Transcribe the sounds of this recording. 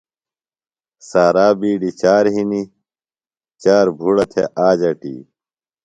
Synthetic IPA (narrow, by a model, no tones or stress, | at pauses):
saːɾaːbiːɖit͡ɕaːɾɦini | t͡ɕaːɾbʱuɽɐt̪ʰḛʔaːd͡ʑɐʈḭː